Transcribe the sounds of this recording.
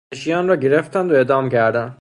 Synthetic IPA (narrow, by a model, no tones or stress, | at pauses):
eʃijɑːnɾɒːɟeɾeft̪ʰænd̪oeːd̪ɑːmcʰæɾd̪æn